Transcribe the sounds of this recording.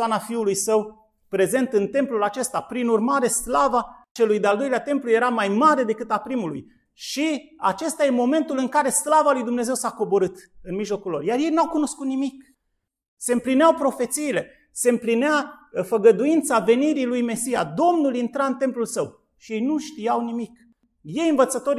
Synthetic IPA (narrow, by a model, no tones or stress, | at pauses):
anafiulujsəw | pɾe̞ze̞nt̪ɨnt̪e̞mplulat͡ʃe̞st̪apɾinurmaɾe̞slavat͡ʃe̞lujd̪eald̪o̞jleat̪e̞mpluje̞ɾamajmaɾe̞d̪e̞kɨt̪apɾimulṵj | ʃia̰t͡ʃe̞st̪aje̞mo̞me̞nt̪ulɨŋkaɾe̞slavalujd̪umne̞ze̞wsako̞bo̞ɾɨt̪ɨnmiʒlo̞kulːo̞rjarje̞jnawkuno̞skut̪nimik | se̞ɨmplineawpɾo̞fe̞t̪siːle̞ | se̞ɨmplineafəɡəd̪uint̪save̞niɾilujme̞sija̰d̪o̞mnulint̪ɾaɨnt̪e̞mplulsəw | ʃije̞jnuʃt̪ijawnimik | je̞jɨnvət̪sət̪o̞ɾ